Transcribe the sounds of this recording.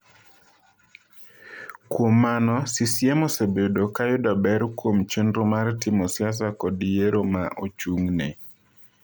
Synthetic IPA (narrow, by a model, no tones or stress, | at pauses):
kwomːanɔsisjemosebedokajʊdabɛɾkwomt͡ʃendɾomartɪmosjas̬akɔdijeɾoma̰ʔot͡ʃuŋnḛ